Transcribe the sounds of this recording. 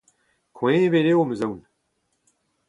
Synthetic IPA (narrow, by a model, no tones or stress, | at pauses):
kʰoeeβeːɾeːwomɨzɐwn